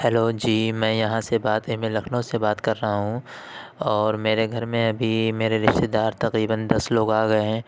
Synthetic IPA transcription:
hɛloːd͡ʒiːmɛ̃ːjɐɦãsebaːt̪ɪmelɐkʰnõsebaːt̪kɐɾːɐɦaɦũ | ɔːɾmeːɾeɡʱɐɾmẽɐbʱimeːɾeɾɪʃt̪ed̪aːɾt̪ɐqɾiːbənd̪ɐsloːɡaːɡɐeɦɛ̃ː

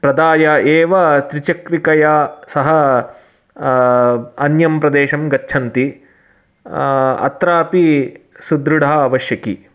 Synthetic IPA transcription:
pɾɐd̪aːjɐeːʋɐt̪ɾit͡ʃɐkɾikɐjasɐɦɐ | ɐnjɐmpɾɐd̪eːʃɐmɡɐt͡ʃːt͡ʃʰɐnt̪i | ɐ̰t̪ɾaːpisud̪ɾuɽʱaːɐʋɐʃjɐki

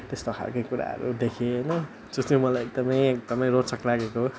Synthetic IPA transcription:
t̪est̪okʰa̰lkajkuɾa̰ɦʌ̰ɾṵd̪ekʰeɦʌjnʌ | d͡zʌst̪emʌlajek̚d̪ʌmʌjek̚d̪ʌmʌjɾoʈt͡sʌklaɡeko

